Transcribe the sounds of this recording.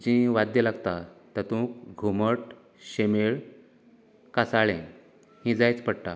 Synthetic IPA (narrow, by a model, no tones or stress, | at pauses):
d͡ʑĩʋad̪jəlaɡt̪at̪ət̪ũkɡʱuməʈ | ɕemeɭ | kasaɭẽ | hĩd͡zajt͡spəɽʈa